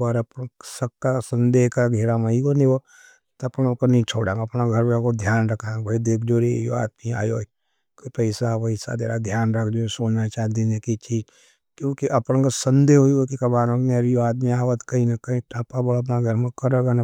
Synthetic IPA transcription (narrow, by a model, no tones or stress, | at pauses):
baːɾɐpñsɐkːasɐ̃nd̪eɦkaɡʱeɾamaikoniwo | t̪ɐpñõkənɐĩt͡ʃʰoːɽãːŋɐpnaɡʱɐɾʋakod̪ʱjaːnɾɐkʰãːbʱɐid̪eːkʰd͡ʒoɾejo̰a̰ːd̪̚mia̰ːjoː | kopəɪsabɐɪsa̰d̪ḛːɾad̪ʱjaːnɾɐkʰd͡ʒosoːd͡ʒnat͡ʃaːd̪inekit͡ʃiːd͡ʒ | kjõːkiʔɐpñkəsə̃nd̪eɦoiokikɐbaːɾõknɐɾjoaːd̪miaːʋət̪kɐĩnɐkɐĩʈʰapabəɐp̬naɡʱɐɾmẽkɐɾəɡana